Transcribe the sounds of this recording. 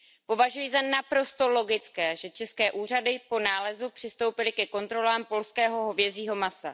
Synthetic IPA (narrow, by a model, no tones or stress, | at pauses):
po̞vaʒujizanapɾo̞st̪o̞lo̞ɡɪt͡skɛːʒɛt͡ʃɛskɛːʔuːr̝adɪpo̞naːlɛzupr̝̥ɪst̪o̞wpɪlɪkɛko̞nt̪ɾo̞laːmpo̞lskɛːɦo̞ɦo̞vjɛziːɦo̞masa